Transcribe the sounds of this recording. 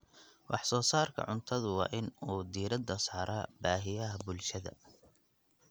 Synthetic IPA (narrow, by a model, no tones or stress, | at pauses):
wʔɑħsɔːsaːrkʰɐ̰ʕʊnt̪ʰɐðʊwɑ̰ːʔɪnuːd̪iːɾɐd̪ːɐsaːɾʔɐbaːɦɪjɐɦɐbʊlʃɐðɐ̰